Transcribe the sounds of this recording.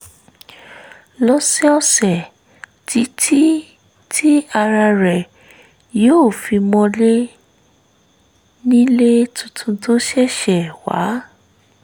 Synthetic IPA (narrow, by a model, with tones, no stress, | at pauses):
lɔ˦sɛ˦ɔ˧sɛ˨ | ti˨˧˦tʰi˦ | tʰi˦a˧ɾa˧ɾɛ˨ | joː˦˨fi˧mɔ̃˧le˦ | nĩ˦le˦tʰũ˧tʰũ˧to˦ʃɛ˦˨ʃɛ˨wa̰˨˦